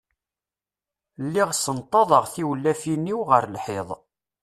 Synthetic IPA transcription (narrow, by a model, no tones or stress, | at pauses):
lːiʁsənt̪ˤːɑðˤəʁθiwlːæfinːiwʁəɾlħɪðˤ